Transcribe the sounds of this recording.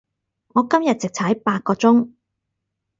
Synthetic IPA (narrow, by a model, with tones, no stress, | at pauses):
ŋɔː˨˧kɐ˥mjɐ˨t̚t͡sɪ˨k̚t͡sʰɐ˨˥jpaː˧t̚kɔː˧t͡sʊ˥ŋ